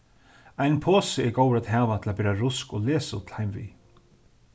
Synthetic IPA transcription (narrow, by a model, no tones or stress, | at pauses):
ajnpʰoːsɪɛɾɡoːwɾat̪ɦaːvat̪ʰɪlapɛːɾaɾʊskɔleːsṵt̪ʰl̥hajmvḭ